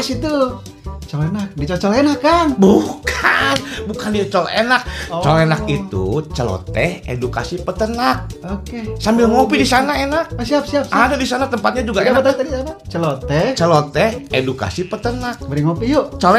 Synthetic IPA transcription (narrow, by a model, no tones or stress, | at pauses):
sit̪ulo | t͡ʃolenak̚diat͡ʃɔlenakːanbukʰanbukandiat͡ʃolenak̚t͡ʃolenakit̪ṵt͡ʃəlo̰t̪ɛhḛduka̰sipət̪ənak̚okesambɪlŋopidisanaenak̚siap̚siap̚sadadisanat̪əmpat̪̚ɲad͡ʒuɡaeaat̪at̪adisanat͡ʃəlot̪ɛt͡ʃəlot̪ɛeduka̰sipət̪ənak̚bəɾiŋopijoʔt͡ʃol